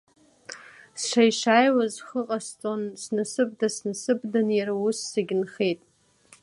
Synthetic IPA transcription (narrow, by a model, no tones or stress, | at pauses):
sʂʷajʂajwazχəqʼast͡sʼonsnɨsɨb̚dasnɨsɨbdanjaɾawusːaɡʲɪnχe̞jtʼ